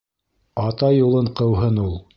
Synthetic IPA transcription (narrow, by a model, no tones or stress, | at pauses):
ɑt̪ɑjulˠɤɴqɤ̆wɦɤnulˠ